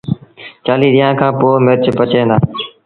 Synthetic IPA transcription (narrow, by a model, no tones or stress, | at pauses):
t͡ʃaːliːɾɪjãːkʰãːpoːmɪɾt͡ʃpət͡ʃẽːnd̪aː